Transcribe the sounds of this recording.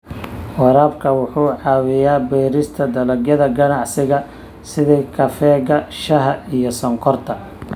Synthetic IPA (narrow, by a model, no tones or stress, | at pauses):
wɑɾaːbkʰɐwʊħuːʕɑːwɪjaːbɛːɾɪst̪ʰɐd̪ɐlɐɡjɐðɐɡɐnɑʕsɪɣɐ | sɪðɛkʰɐfɛːɣɐʃɐɦɐijɞsɐŋkʰɔrt̪ʰɐ